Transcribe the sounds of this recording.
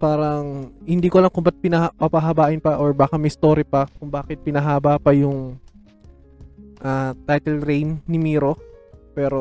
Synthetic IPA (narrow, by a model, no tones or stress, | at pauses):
paːɾɐŋhɪnd̪iːkolɐŋkʊmbɐt̪̚pɪnɐhpɐpaɦɐbaːʔɪnpɐʔoɹbaːkɐmɛɪst̪o̞ːɾɪpɐkʊŋbaːkɪt̪̚pɪnɐɦaːbapɐjʊŋ | ʔat̪ajt̪ɛlɾɛjnnːɪmiːɾo̞pɛːɾo̞